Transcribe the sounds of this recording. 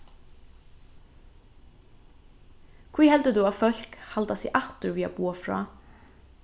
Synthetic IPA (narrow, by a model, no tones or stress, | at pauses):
kʰiːhɛld̪əd̪ʉːɑːfœlkhɑld̪ɑsḭːʔɑxt̪ʉɹʋiːɑ̰buːɑfɹɑ̰ː